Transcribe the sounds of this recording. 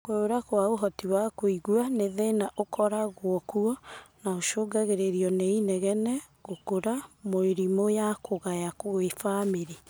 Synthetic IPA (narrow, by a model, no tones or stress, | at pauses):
kweoɾakwaoɦɔtiwakoiɣuaneðenaʔokʰɔɾaɣwɔkuɔnaoʃoːɡaɣeɾeɾiɔneinɛɣɛnɛ | ɣokoɾamoeɾimojakʰoɣajakoefameɾi